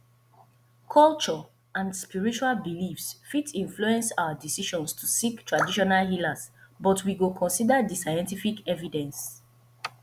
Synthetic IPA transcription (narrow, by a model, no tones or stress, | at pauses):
kʰɔlt͡ʃɔ | ãndspiɹit͡ʃualbilifsfitʰĩɱfluɛ̃nsawadisiʃɔ̃nstʰusiktʰɹadiʃɔnalhilasbɔtwiɡokʰɔ̃nsidadisajɛ̃ntifikɛvidɛ̃ns